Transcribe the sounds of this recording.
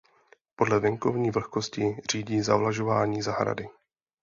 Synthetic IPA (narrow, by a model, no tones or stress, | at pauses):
po̞dlɛvɛŋko̞vɲiːvl̩xko̞scɪr̝iːɟiːzavlaʒo̞vaːɲiːzaɦɾa̰dɪ